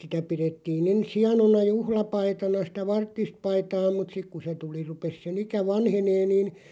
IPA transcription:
sitæ piretːiːn ens hiɑnonɑ juhlɑpɑitɑnɑ sĭtæ ʋɑrtːist pɑitɑː mut sik ku se tuli rupes sen ikæ ʋɑnheneː niːn

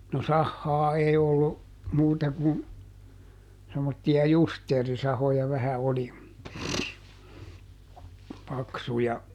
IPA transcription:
no sɑhːɑː ei olːu muːtɑ kun semːotːiɑ justeːrisɑhojɑ ʋæhæ oli pɑksujɑ

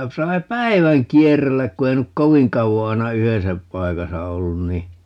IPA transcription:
ku sɑi̯ pæi̯ʋæŋ kierelːæk ku ei nyk koʋiŋ kɑuʋo ɑi̯nɑ yhesæ pɑikɑsɑ olːun ni

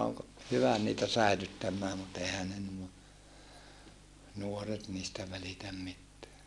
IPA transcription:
oːŋ ko hyʋæ niːtæ sæilytːæmːæː mut ehæ ne nuo nuoret niːstæ ʋælitæm mitːeæ

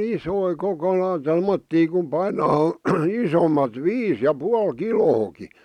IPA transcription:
isoi koko lɑi tomːotːiː ku pɑinɑː isomɑt ʋiːs jɑ puɑl kiloːki

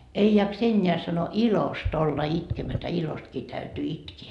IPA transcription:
ei jɑks enʲːeæ sɑno ilost olːɑ itkemætæ ilostkiː tæytyː itkeː

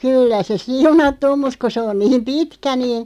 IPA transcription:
kylːæ se siunɑtːu om mut ku se on niːm pitkæ niː

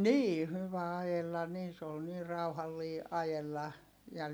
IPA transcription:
niː hyʋæ ɑjelːɑ niːn se ol niː rɑuhɑlːiː ɑjelːɑ jɑ

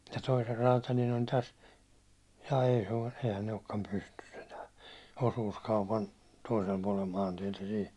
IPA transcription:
jɑ toiser rɑːtɑlin on tæs jɑː ei se o sehæn ei okːɑm pystys enæː osuːskɑupɑn toisel puɒlel mɑːntietæ siːn̞

